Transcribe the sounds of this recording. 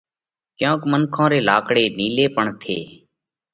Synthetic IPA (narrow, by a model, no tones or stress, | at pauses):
kjõːkmənkʰõːɾeːlaːkɽeːniːleːpəɳt̪ʰḛː